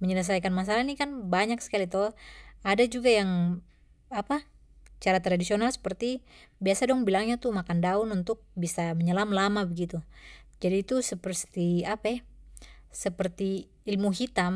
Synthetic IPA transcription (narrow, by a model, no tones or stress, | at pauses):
məɲələs̬ajkanmas̬alanikanbaɲaksə̥kalit̪oadad͡ʒuɡajaŋ | apa | t͡ʃaɾat̪ɾadisionalsə̥pərt̪ibiasadɔŋbilaŋɲat̪umakandaununt̪ʊk̚bisaməɲəlamlamabəɡit̪u | d͡ʒadiːt̪usəpərt̪iapa | səpərt̪iː | lmuɦit̪am